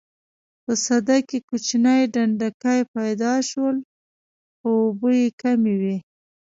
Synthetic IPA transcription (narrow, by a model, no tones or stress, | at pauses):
pəsad̪akekut͡ʃinajɖaɳɖakajpajd̪ɑʃwəl | xoːbəjekamewi